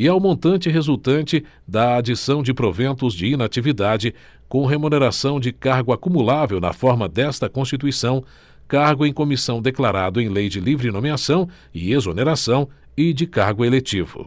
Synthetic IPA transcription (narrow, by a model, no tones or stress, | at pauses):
ɪawmõnt̪ɐ̃nt͡ʃɪɦezuwt̪ɐ̃nt͡ʃɪ | d̪ɐad͡ʒisɐ̃w̃d͡ʒɪpɾovẽnt̪ʊzd͡ʒɪinat͡ʃivid̪ad͡ʒɪ | kõw̃ɦemuneɾasɐ̃w̃d͡ʒɪkaɾɡʊakumulavewnɐ̰fɔɾmɐd̪ɛst̪ɐkõst͡ʃit̪uisɐ̃w̃ | kaɾɡʊẽj̃komisɐ̃w̃d̪eklaɾad̪ʊẽj̃lejd͡ʒɪlivɾinomiasɐ̃w̃ | ɪezoneɾasɐ̃w̃ | ɪd͡ʒɪkaɾɡʊelet͡ʃivʊ̰